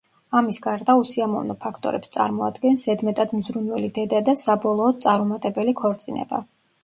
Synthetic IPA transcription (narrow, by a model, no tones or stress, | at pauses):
amisɡaɾd̪ausiamɔ̰vnɔpʰakʰt̪ʼɔ̰ɾɛ̰pst̪sʼa̰ɾmɔa̰d̪ɡɛnsɛd̪mɛt̪ʼad̪mzɾunwɛlid̪ɛd̪ad̪asabɔlˠɔːd̪̚t̪sʼaɾmɔmat̪ʼɛbɛlikʰɔɾt̪sʼinɛ̰ba̰